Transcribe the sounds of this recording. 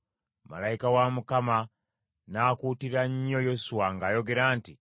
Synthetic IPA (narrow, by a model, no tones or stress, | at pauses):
ma̰laikawamukama | naːkutiɾaɲːojosuwaŋɡaːjo̞ɡe̞ɾaːnti